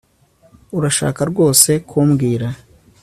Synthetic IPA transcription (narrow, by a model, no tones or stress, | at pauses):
uɾaʃa̰ːkaɾɡo̞ːse̞kʰuːmɡiːɾa